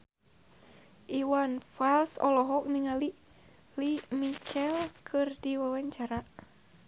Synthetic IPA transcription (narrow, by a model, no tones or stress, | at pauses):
ʔiwanfalsɔ̰lɔɦɔk̚niŋali | limikʰɛlkʰɨrdiwawaɲt͡ʃaɾa